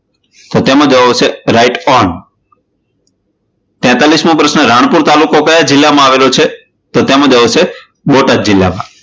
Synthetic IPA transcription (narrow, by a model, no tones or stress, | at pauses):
t̪ot̪emãd͡ʒəʋaʋt͡ʃʰeɾaiʈɔn | t̪ɛ̃t̪alismõpɾəsnəɾaɳ̃puɾt̪alukokəjad͡ʒɪlːamãaʋelot͡ʃʰe | t̪ot̪emãd͡ʒəʋaʃʰe | ɓoʈad̪̚d͡ʒɪlːa̰mã̰